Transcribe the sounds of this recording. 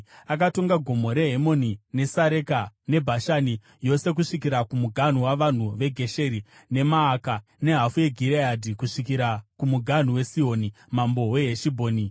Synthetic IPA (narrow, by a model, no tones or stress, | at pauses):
akato̞ŋɡaɡʱo̞mo̞ɾe̞ɦemo̞nine̞saɾe̞kane̞bʱaʃani | jo̞se̞k̬uʂikiɾakumuɡʱan̤uwaʋan̤uʋe̞ɡʱe̞ʃe̞ɾi | ne̞maːka | ne̞ɦafuje̞ɡʱiɾeadʱikuʂikiɾakumuɡʱan̤uwe̞sio̞ːni | mambo̞we̞ɦeʃibʱoːni